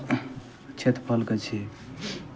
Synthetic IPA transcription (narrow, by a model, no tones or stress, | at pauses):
t͡ʃʰet̪pʰəlket͡ʃʰi